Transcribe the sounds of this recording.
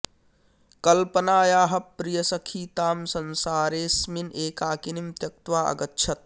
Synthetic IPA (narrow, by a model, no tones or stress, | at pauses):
kɐlpɐnaːjaːɦɐpɾijɐsɐkʰiːt̪aːmsɐnsaːɾeːsmineːkaːkinimt̪jɐk̚t̪ʋaːɐ̰ɡɐtːʃʰɐt̪̚